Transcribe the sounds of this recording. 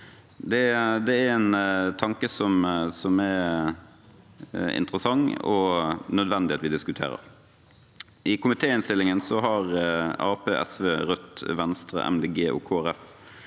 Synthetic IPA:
d̪ɛd̪ɛæɾɛnt̪ʰɑŋkəsɔmsɔmɛ | ɪ̰nt̪ɾəsɑŋːɔnœd̪ʋɛnd̪ɪheːt̪ʋɪd̪ɪskʉt̪ʰḛːɾə̰ɾ | ʔɪkʊmɪt̪ʰeːɪnst̪ɪlːɪŋənsɔɦɑʁɑːpeːʔɛ̰sʋeːɾœt̪ːʋɛnst̪ɾə̰ʔɛ̰md̪eːɡeːʔo̰ːkʰoːæɾɛf

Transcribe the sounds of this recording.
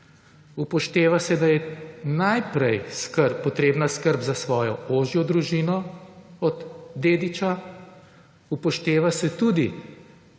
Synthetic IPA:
upɔʃt̪eːʋasɛd̪ajɛnajpɾɛjskəɾpːɔt̪ɾeːbnaskəɾbzasʋɔːjɔoːʒjɔd̪ɾuʒiːnɔɔd̪ːeːd̪it͡ʃa | upɔʃt̪eːʋasɛt̪uːd̪i

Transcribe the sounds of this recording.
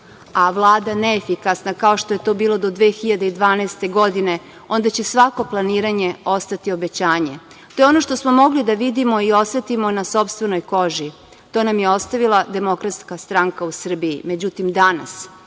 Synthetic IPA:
aʋlˠaːd̪aneːfikasnakao̞ʃt̪ojet̪o̞ːbiːlo̞d̪o̞d̪ʋeːxiʎad̪e̞id̪ʋaːnaest̪e̞ɡo̞d̪ine̞ | o̞nd̪at͡ɕesʋako̞plˠaniːɾaɲe̞o̞st̪at̪io̞be̞t͡ɕaːɲe | t̪o̞jeo̞no̞ʃt̪o̞smo̞mo̞ɡlid̪aʋid̪imo̞io̞sʋet̪imo̞naso̞pst̪ʋe̞no̞jko̞ʒi | t̪o̞ːnamjeo̞st̪aʋilˠad̪e̞mo̞kɾat̪skast̪ɾaŋkausr̩biime̞d͡ʑut̪imd̪ana̰s

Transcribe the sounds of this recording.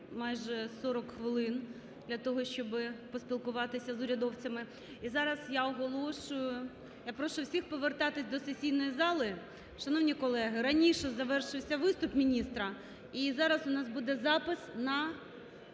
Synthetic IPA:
mɑjʒɛsɔɾɔkxʋɪlˠɪn | d̪lʲɐt̪ɔɦɔʃt͡ʃɔbɪpɔsʲpʲilˠkʊʋɑt̪ɪsʲɐzʊɾʲɐd̪ɔwt͡sʲɐmɪ | izɑɾɐsjaɔɦɔlˠɔʃʊjʊʊ | japɾɔʃʊwsʲixpɔʋert̪ɑt̪ɪsʲd̪ɔsesʲijnɔjizɑlˠɪ | ʃɐnɔwnʲikɔlˠɛɦɪɾɐnʲiʃɛzɐʋɛrʃɪwsʲɐʋɪst̪ʊpmʲinʲist̪ɾɐ | izɑɾɐsʊnɑsbud̪ɛzɑpɪsnɐ

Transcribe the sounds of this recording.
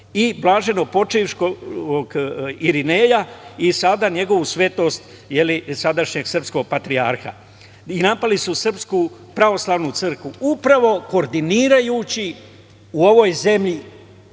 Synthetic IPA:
iblˠaːʒe̞no̞po̞t͡ʃiʋʃkooɡiɾine̞ːjaisad̪aɲe̞ɡo̞ʋusʋe̞t̪o̞st̪ | je̞lisad̪aʃɲe̞ɡsr̩psko̞ɡ̚pat̪ɾiaɾxa̰ | inapalisusr̩pskupɾaʋo̞slˠaːʋnut̪sɨr̩kʋuupɾaʋo̞ko̞ːɾd̪iniːɾajuːt͡ɕi | uo̞ʋo̞jze̞mʎi

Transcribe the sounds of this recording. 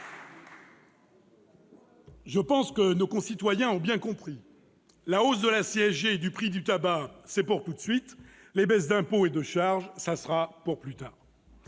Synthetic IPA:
ʒəpɑ̃skənokɔ̃sit̪wajɛ̃ɔ̃bjɛ̃kɔ̃pχi | laosd̪əlaseɛʒeːd̪ypχid̪yt̪abasɛpuʁt̪ut̪sɥit̪ | lebɛsd̪ɛ̃poed̪əʃaʁʒsasʁapuʁplyt̪aːʁ

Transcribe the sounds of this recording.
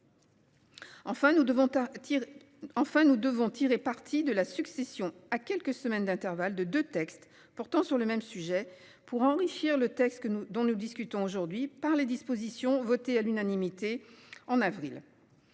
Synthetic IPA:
ɑ̃fɛ̃nuvɔ̃ | ɑ̃fɛ̃nud̪əvɔ̃t̪ʰiʁepaʁt̪ʰid̪əlasyksesjɔ̃akʲɛlkəsəmɛnd̪ɛ̃t̪ɛʁvald̪əd̪øt̪ɛkst̪ | pɔʁt̪ɑ̃syʁləmɛmsyʒɛ | puʁɑ̃ʁiʃiʁlət̪ɛkst̪kd̪ɔ̃nud̪iskʲyt̪ɔ̃oʒuʁd̪ɥipaʁled̪ispozisjɔ̃vɔt̪ealynanimit̪eɑ̃navʁil

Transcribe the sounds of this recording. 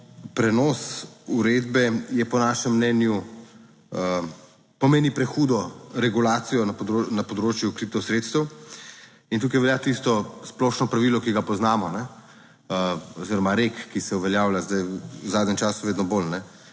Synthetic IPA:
pɾɛnɔːsuɾeːd̪bɛjɛpɔnaːʃɛmːnɛːnju | pɔmeːnipɾɛxuːd̪ɔɾɛɡulaːt̪sijɔnɐonɐpɔd̪ɾoːt͡ʃjukɾit̪ɔsɾeːt̪st̪əw | int̪ukajʋɛljaːt̪ist̪ɔsplɔʃnɔpɾaʋiːlɔkiɡapɔznaːmɔnɛ | əɔziɾɔmaɾekːisɛuʋɛljaːwlʲazd̪ajwzaːd̪nʲɛmt͡ʃaːsuʋeːd̪nɔbolnɛ

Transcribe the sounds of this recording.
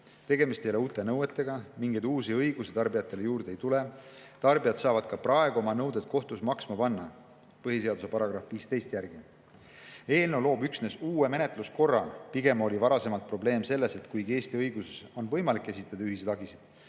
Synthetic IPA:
t̪e̞ɡ̥e̞mist̪ejoe̞uːt̪ːˑe̞nɤwe̞t̪ːˑe̞ɡ̥ɑmiŋɡed̪uːsiɤjɡusit̪ɑrbijɑt̪ːˑe̞le̞juːrd̪ee̞jt̪ule̞t̪ɑrbijɑd̪sɑːvɑd̪̥̚kɑprɑe̞ɡ̥uo̞mɑnɤwd̪et̪̚ko̞ht̪usmɑksmɑpɑnːɑ | pɤɦis̬e̞ɑd̪use̞pɑɾɑɡ̥rɑfviːst̪e̞jst̪jærɡ̥i | e̞ːlne̞wlo̞ːbyksne̞suːwe̞me̞ne̞t̪ˑlusko̞rːɑ̰piɡ̥e̞mo̞lʲivɑɾɑse̞mɑlt̪̚pro̞ble̞ːmse̞lːe̞se̞t̪kujɡe̞ːst̪iɤjɡuse̞so̞nvɤ̞jmɑlikːˑe̞sit̪ˑːɑd̪ɑyɦised̪̥ɑɡisid̪̥

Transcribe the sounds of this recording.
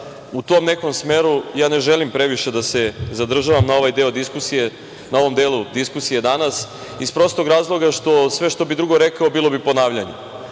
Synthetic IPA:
ut̪o̞mne̞ko̞msme̞ːɾujaːne̞ʒelimpɾe̞ʋiʃe̞d̪ase̞zad̪r̩ʒaʋamnao̞ʋajd̪e̞od̪iskusije | nao̞ʋo̞md̪eːlˠud̪iskusije̞d̪anas | ispɾo̞st̪o̞ɡɾaːzlˠo̞ɡaʃt̪o̞sʋe̞ʃt̪o̞bid̪ɾuɡo̞ɾekaobilˠo̞bipo̞naːʋʎaɲḛ

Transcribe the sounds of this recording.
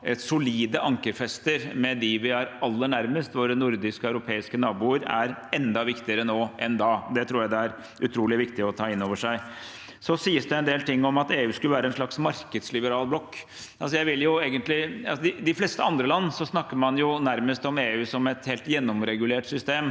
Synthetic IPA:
ɛsʊliːd̪əʔɑŋkəɾfɛst̪əɾmɛd̪ɪʋɪæɾɑlːəɳæɾməst̪ʋoːɾənʊɾd̪ɪskəɑʉɾʊpʰeːɪskənɑːbuːəɾæ̰ɾɛnd̪ɑʋɪkt̪ɪəɾənoːʔɛnd̪ɑːd̪ɛt̪ʰɾuːjæɪd̪ɛæɾ | ʉt̪ʰɾuːlɪʋɪkt̪ɪɔt̪ʰɑːɪnːoːʋəʂæɪ | sɔsiːəsd̪ɛɛnd̪eːlt̪ɪŋːɔmɑt̪eːʉːskʉləʋæːɾəɛnʂɭɑksmɑɾkəd̪slɪbəɾɑːlblɔkː | ʔɑlsɔjæɪʋɪljʊeːɡənt̪lɪɑsɔd̪ɪd̪ɪflɛst̪əɑnd̪ɾəlɑnːsɔsnɑkːəɾmɑnjʊnæɾməst̪ɔmeːʉːsɔmɛt̪heːlt̪jɛnːɔmɾɛɡʉleːʈsʏst̪eːm

